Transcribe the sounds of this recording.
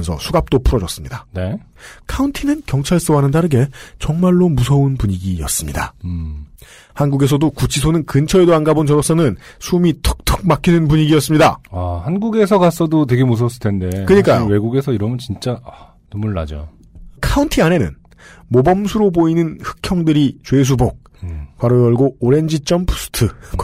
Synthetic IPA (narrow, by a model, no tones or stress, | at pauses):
nsʰʌ̰sʰuɡap̚t͈opʰuɾʌd͡ʑʌs͈ɯmɲidane̞ | kʰauntʰinɯnkjʌŋt͡ɕʰaɭs͈ɯwanɯndaɾɯɡe̞t͡ɕʌŋmaɭːomusʰʌunpuɲiɡijʌs͈ɯmɲida | hanɡuɡe̞s̬ʰʌdokut͡ɕʰisʰonɯnkɯnt͡ɕʰʌedoanɡabond͡ʑʌɾʌs͈ʌnɯnsʰumitʰɯ̥k̚tʰɯ̥k̚makʰinɯnpuɲiɡiʌs͈ɯmɲidaahanɡuɡe̞sʰʌkas͈ʌdot̬we̞ɡe̞mus̬ʰʌs͈ɯɭtʰende̞kɯɲik͈ajowe̞ɡuɡe̞sʰʌiɾʌmɯnt͡ɕint͡ɕ͈aa | numuɭːa̰d͡ʑo̰ | kʰauntʰiane̞nɯ̰n | mobʌmsʰuɾoboinɯnhɯ̥kʰjʌŋdɯɾit͡ɕwe̞s̬ʰubok̚ | pwaɾojʌɭɡoːɾe̞nd͡ʑit͡ɕ͈ʌmpʰu̥s͈ʰɯ̥tʰɯ